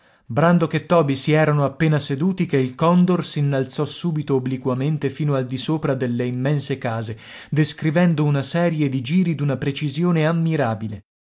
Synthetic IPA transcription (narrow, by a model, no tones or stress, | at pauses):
bɾand̪oket̪ːɔːbisiɛːɾanoapːeːnased̪uːt̪ikeilkɔnd̪orsinːalt̪sɔsuːbit̪oːblikwament̪efiːnoald̪isoːpɾad̪elːeimːɛnsekaːze | d̪eskɾivɛnd̪ounasɛːɾjed̪id͡ʒiːɾid̪unapɾet͡ʃizjoːneamːiɾaːbile